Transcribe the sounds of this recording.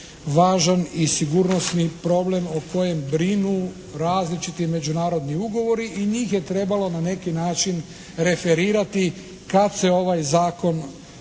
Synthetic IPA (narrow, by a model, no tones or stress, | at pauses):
ʋaːʒanisiɡuɾno̞snipɾo̞ble̞moko̞je̞mbɾinu | ɾaːzlit͡ʃit̪ime̞d͡ʒunaːɾo̞d̪niuɡo̞ʋo̞ɾiʔiɲiːxje̞t̪ɾe̞balo̞nane̞kinaːt͡ʃin | ɾe̞fe̞ɾiːɾat̪i | kad̪se̞o̞ʋajzaːko̞n